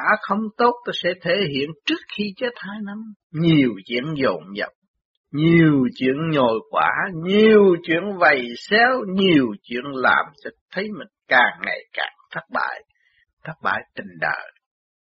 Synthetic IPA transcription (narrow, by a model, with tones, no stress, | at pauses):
aː˧˥xə˧wŋ͡mt̪o˦˥t̚t̪a˧˩sɛ̰˧˥t̪ʰe˧˩ɦḭ˧˨ənt͡ɕɨ˦˥ək̚xi˧t͡ɕe˦˥t̚haː˧jna˧m | ɲi˨˩əwt͡ɕḭ˧˥ənzo̰˧˨˩ŋ͡mɲə̰˨˩p̚ | ɲi˨˩əwt͡ɕwḭ˧˨ənɲo˨˩jkwaː˧˩ɲi˨˩əwt͡ɕwḭ˧˨ənvə˨˩jsɛ˧˦wɲi˨˩əwt͡ɕwḭ˧˨ənla̰ː˨˩mt͡ɕɔ˧t̪ʰə˨˦jmï˨˩ŋ̟kaː˨˩ŋŋa̰˨˩jka̰ː˨˩ŋt̪ʰa˦˥t̚ɓa̰ː˧˨j | t̪ʰaː˦˥t̚ɓa̰ː˧˨jt̪ï˨˩ŋ̟ɗə̰ː˧˨j